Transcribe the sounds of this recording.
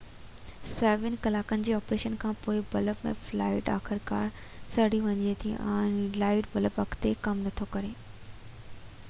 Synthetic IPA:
sɛːʋɪnkɐlaːkənɪ̆d͡ʑeːɔːpɾeːʃənkʰãːpoːɪbɐləpmḛ̃flaːɪʈa̰ːxɪɾka̰ːɾ | sɐɽiʋɐɲet̪ʰiʔã̰ːnlaːɪʈbɐləpʋɐkʰt̪ekɐmnɐt̪ʰokɐɾeː

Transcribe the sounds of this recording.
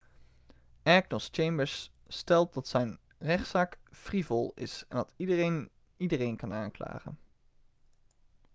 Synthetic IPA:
ɛɡnəst͡ʃejmbəɹs | stɛlˠt̚dɑtsɛjn | rɛχtsaːkfrivɔlˠɪ̰sɛ̰ndɑtidəren | idərejnkɑnaːŋkla̰ːχə̰n

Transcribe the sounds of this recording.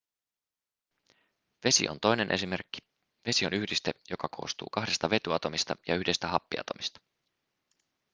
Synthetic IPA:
ʋe̞sḭʔo̰nt̪o̞jne̞nʔe̞sime̞rkːi̥ | ʋe̞sio̞nyhdist̪ejo̞kɑkʰo̞̰ːst̪ṵːkɑɦde̞st̪ɑʋe̞t̪yɑt̪o̞mist̪ɑ̰jɑyhdest̪æɦɑpːiɑ̰t̪o̞̰mist̪ɑ̥

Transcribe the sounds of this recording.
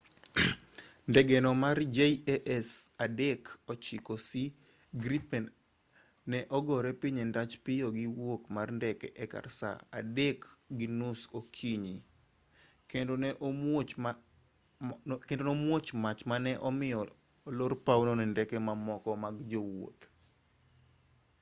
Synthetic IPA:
ndɛɡɛnɔmard͡ʒeiɛʔɛsadɛkɔt͡ʃɪkɔsi | ɡɾipɛn | nɛʔɔɡɔɾɛpiɲɛndat͡ʃpɪjoɡiwokmarndɛkɛʔɛka̰rsa̰a̰dɛkɡinʊsokʰiɲi | kendonɛʔot͡ʃ | kendonomwot͡ʃmat͡ʃmanɛʔɔmɪjɔ | lorpawnonɛndɛkɛmamɔkɔmaɡd͡ʒowo̰t̪

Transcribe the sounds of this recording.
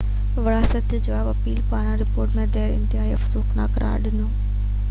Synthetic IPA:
ʋɐɽaːsɐt̪ɪd͡ʑoaːbɐpiːlpaːɽ̃ãɾɪpoːɾʈmẽd̪eːɾɪ̰̃nt̪ɪɦaːiɐfsuːxnaːkɐɾa̰ːɗɪnoː

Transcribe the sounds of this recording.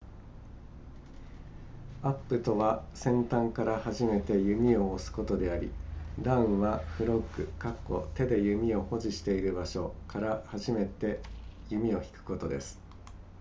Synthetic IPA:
apːɯ̟t̪o̞βasẽ̞nt̪ãŋkaɾahaʑime̞t̪e̞jɯ̟mʲio̞ːsɨ̥ko̞t̪o̞d̪e̞aɾʲḭd̪ãɯ̃ɰ̃βaɸɯ̟ɾo̞kːɯ̟kakːo̞̰t̪e̞d̪e̞jɯ̟mʲio̞ho̞ʑiɕi̥t̪e̞iɾɯ̟baɕo̞kaɾahaʑime̞t̪e̞jɯmʲio̞çi̥kɯ̟̥ko̞t̪o̞d̪e̞sɨ̥

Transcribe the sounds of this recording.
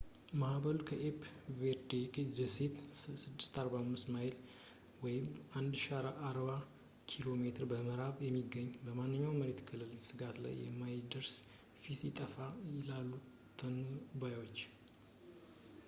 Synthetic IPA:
mahbəlukʰəʔepʰveɾd̪ekʼd̪əset̪sɨd̪ːɨ̥st̪aɾbamːɨst̪maɪl | wɔjɪmʔand̪ʃaɾʔaɾba | kʰilo̞me̞t̪ʰɨɾbəməɾaβjɛmːiɡəɲːbəmanːɨɲːawməɾe̞t̪kʰɨlːɨlsɨɡat̪la̰jːɛ̰mːajd̪əɾs | fit̪jɪt̪ʼəfajɪlalːu | t̪ʰːənuubajwo̞t͡ʃː

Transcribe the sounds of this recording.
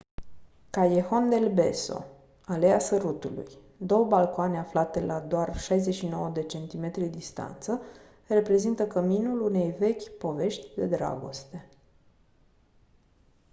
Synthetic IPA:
kajexo̞nd̪e̞lbe̞̰so̞̰ | aleasəɾut̪ulṵj | d̪o̞wəbalkoaneaflat̪e̞lʔad̪oarʃajzeʃino̞wəd̪e̞t͡ʃe̞nt̪ime̞t̪ɾʲid̪ist̪a̰nt̪sə | re̞pɾe̞zint̪əkəminulune̞jve̞kʲpo̞ve̞ʃt̪ʲd̪e̞d̪ɾa̰ɡo̞̰st̪e̞

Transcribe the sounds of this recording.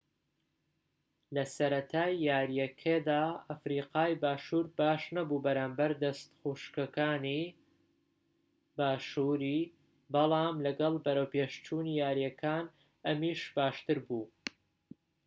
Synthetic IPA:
lɐsɐɾɐt̪ʰaːjːaːɾjɐkʰed̪aːɐfɾiːqaːjbaːʃuːɾbaːʃnɐbuːbɐɾaːmbɐɾd̪ɐst̪xuːʃkɐkaːni | baːʃuɾiː | bɑlˠɑːmlɐɡɐlˠbɐɾɐwpeːʃt͡ʃuːniːjaːɾjɐkʰaːn | ɐmiːʃbaːʃt̪ɨɾbuː

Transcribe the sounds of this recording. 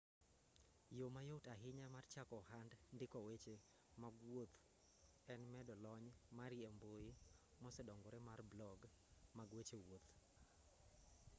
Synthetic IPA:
jomajotaɦɪɲamart͡ʃakɔhandndɪkɔwet͡ʃe | maɡwot̪ | ɛnmɛdɔlɔɲmaɾjemboji | mɔsɛdɔŋɡɔɾɛmarblɔɡ | maɡwet͡ʃewot̪

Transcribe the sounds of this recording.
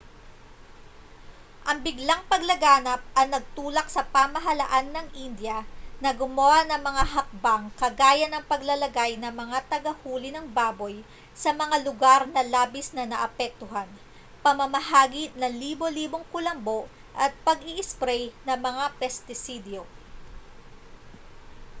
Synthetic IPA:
ʔɐŋbɪɡlaŋpɐɡlɐɡaːnɐp̚ʔɐŋnɐɡ̚t̪uːlɐksɐpamɐɦɐlɐ̰ʔanːɐŋʔind̪jɐnɐɡʊmɐwanɐŋmɐŋaɦɐk̚baŋkɐɡaːjɐnɐŋpɐɡlɐlɐɡajnɐmɐŋat̪ɐɡɐhuːlɪnɐŋbaːbo̞j | sɐmɐŋalʊɡaɾnɐlaːbisnɐnɐʔɐpɛk̚t̪ʊɦan | pɐmɐmɐɦaːɡinɐliːbo̞liːboŋkʊlɐmbo̞ʔ | ʔɐt̪̚pɐɡɪʔɪspɾɛjnɐŋmɐŋapɛst̪ɪsid̪jo

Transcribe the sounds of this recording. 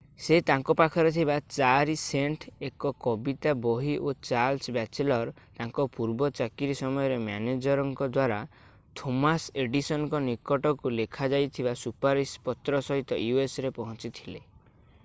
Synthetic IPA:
set̪aŋkɔpakʰɔɾɔt̪ʰibat͡ʃaɾiseɳʈʰekɔkɔbit̪aboɦiʔot͡ʃalsbat͡ʃelɔɾ | t̪aŋkɔpuɾbɔt͡ʃakiɾisɔmɔjɔɾemaned͡ʒɔɾɔŋkɔd̪waɾa | t̪ʰomaseɖisɔnɔkɔnikɔʈɔkulekʰad͡ʒajt̪ʰibasupaɾispɔt̪ɾɔsɔɦit̪ɔjuesɾepɔɦɔ̃t͡ʃit̪ʰile

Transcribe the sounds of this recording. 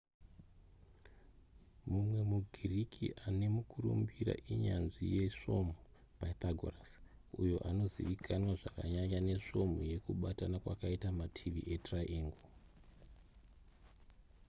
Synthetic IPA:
mumwe̞muɡʱirikʰḭʔane̞mukurṵmbiɾa̰ʔiɲanʐḭje̞ʂo̞mu | pait̪aɡʱo̰ras | ṵjo̞ʔano̞ziʋikʰanwaʐakaɲaɲane̞ʂo̞muje̞kuɓatanakwa̰kaitamatʰiʋḭʔe̞traʔiːŋɡo

